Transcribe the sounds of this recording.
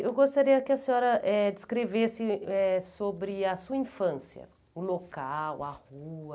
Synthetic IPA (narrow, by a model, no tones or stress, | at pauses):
ewɡost̪aɾiɐkɪɐsẽɔɾɐʔɛd͡ʒɪskɾevesɪɛsobɾɪɐsuɐĩfɐ̃siɐ̰ | ʊlokawɐhuɐ